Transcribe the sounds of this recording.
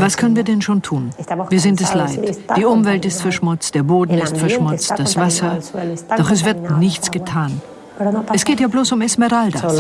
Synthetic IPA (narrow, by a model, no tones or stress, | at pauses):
vaskʰœnənviːɐdɛnʃoːntʰuːnviːɐzɪntɛslaɪtd̥iːʔʊmvɛltɪstfɛɐʃmʊt͡st̚d̥eːɐboːdn̩ɪstfɛɐʃmʊt͡std̥asv̥asɐd̥ɔχɛs̬v̥ɪɐt̚nɪçt͡sɡ̥ətʰaːn | ɛsɡ̥eːtjaːbloːsʊmɛsmɛʁalda̰